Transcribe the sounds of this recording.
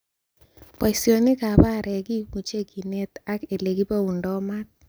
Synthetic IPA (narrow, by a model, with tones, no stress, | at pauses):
pa˨i˨sjo˨nɪ˦ka˨ba˦˨ɾɛ˨ɡi˦ku˨t͡ʃe˦ki˨ne˦t̪a˦ke˨le˨ɡi˦pa˦u˨ndɔ˦ma˦t̪̚